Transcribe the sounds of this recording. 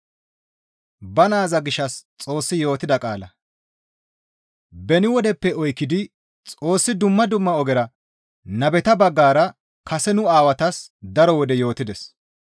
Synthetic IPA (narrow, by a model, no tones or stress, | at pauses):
bɐnaːzɐɡɪʃːɐst͡sʼo̞ːsːɪjo̞ːt̪ːɪd̪ɐkʼaːlɐ | bɛnɪwɔd̪ɛpːɛɔjkːɪd̪ɪ | t͡sʼo̞ːsːɪd̪ʊmːɐd̪ʊmːɐɔɡɛɾɐ | nɐbɛt̪ɐbɐɡːaːɾɐ | kɐsɛnʊaːwɐt̪ɐsd̪ɐɾɔwɔd̪ɛjo̞ːt̪ɪd̪ɛs